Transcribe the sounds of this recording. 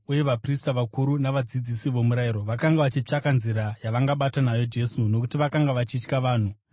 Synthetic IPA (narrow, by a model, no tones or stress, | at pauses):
uje̞ʋapristaʋakuɾunaʋad͡zid͡zisiʋo̞muɾaiɾo̞ʋakaŋɡaʋat͡ʃit͡ʂakanziɾajaʋaŋɡaɓatanajo̞d͡ʒe̞suno̞kutiʋakaŋɡaʋat͡ʃit͡ʃkaʋaːn̤u